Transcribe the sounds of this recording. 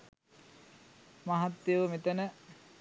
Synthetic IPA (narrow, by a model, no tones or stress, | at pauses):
maɦat̪ːeʋəmet̪ənə